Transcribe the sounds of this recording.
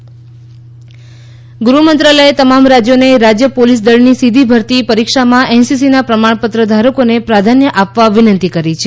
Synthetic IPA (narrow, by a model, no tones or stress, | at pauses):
ɡɾumənt̪ɾaləet̪əmamɾad͡ʒjoneɾad͡ʒjəpolis̬d̪əɭnisid̪ʱibʱəɾt̪ipəɾikʃamãʔɛnsisinapɾəmaɳpət̪ɾəd̪ʱaɾəkonepɾad̪ʱanjəʔapʋaʋɪnənt̪ikəɾit͡ʃʰe